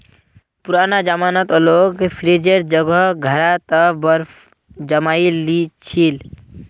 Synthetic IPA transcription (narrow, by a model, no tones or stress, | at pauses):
puɾanad͡ʒamanət̪ɔlokpʰɾed͡ʒeɾd͡ʒəɡəɦɡʱəɾat̪əbəɾ | d͡ʒəmailit͡ʃʰil